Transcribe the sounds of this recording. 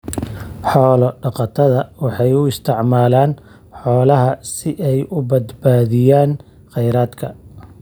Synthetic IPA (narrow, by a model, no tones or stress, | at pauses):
ħɔːlɔɖɑqɑt̪ʰɐðɐwɑħɑjʊɪst̪ʰɪʕmaːlaːn | ħɔːlɐɦɐsɪʔɛjʊbɐd̪baːðɪjaːn | qɛjɾaːd̪kʰɐ